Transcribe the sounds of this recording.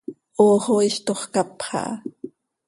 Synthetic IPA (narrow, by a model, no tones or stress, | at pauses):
oːχoiʃt̪oχkɑpχɑ̰ʔ